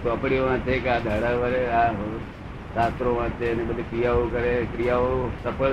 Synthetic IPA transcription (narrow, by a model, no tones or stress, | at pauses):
t̪oəpɽioʋãt͡ʃʰekead̪ʱəɽaʋəɾea | sast̪ɾomãt͡ʃʰenebəd̪ʱikɾijaokəɾekɾijaosəpəɭ